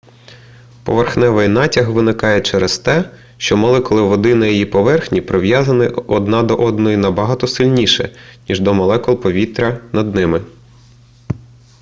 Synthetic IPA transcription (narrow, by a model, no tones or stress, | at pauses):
pɔ̰ʋerxnɛʋɪjnɑtʲɐxʋɪnɪkɑjɛt͡ʃɛɾɐst̪ɛ | ʃt͡ʃɔmɔlˠɛkɔlˠɪʋɔd̪ɪnɐjɔjipɔʋɛrxnʲipɾɔʋjɑzɐnɪɔd̪nɑd̪ɔʔɔd̪nɔjinɐbɐɦɑt̪ɔsɪlʲnʲiʃɛ̰nʲiʒd̪ɔmɐlˠɛkɔlˠpɔʋʲit̪ɾʲɐnɐd̪nɪmɪ